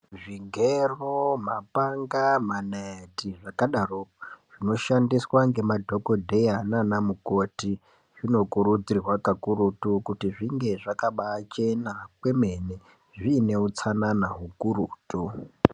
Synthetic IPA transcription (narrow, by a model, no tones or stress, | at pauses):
ʐiŋɡeromapaŋɡamaneetiʐakaɗaroʐ̥ino̞ʃandiswaŋɡe̞madʱo̞ko̞dʱe̞jananamuko̞ti | ʐino̞kuɾud͡zirwakakuɾutukutiʐiŋɡe̞ʐakaɓaːt͡ʃe̞nakwe̞me̞ne | ʐine̞ut͡sananaɦukuɾuːtu